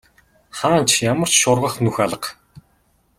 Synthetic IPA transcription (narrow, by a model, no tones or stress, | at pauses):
χaːnt͡ɕʰjamə̆r̥t͡ɕʃʊrʁə̆χnuxaɮə̆q